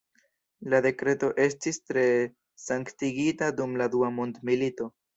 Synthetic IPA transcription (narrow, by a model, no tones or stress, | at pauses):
lade̞kɾe̞to̞ʔe̞stistɾe̞ | saŋktiɡitadumladuamondmilito̞